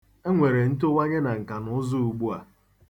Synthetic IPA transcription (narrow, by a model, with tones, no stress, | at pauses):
e˦ŋʷe˨ɾe˨n̩˦to˦wa˦ɲe˦na˨ŋ̩˨ka˨nʊ˦zʊ˦u˨ɡ͡bu˦a˨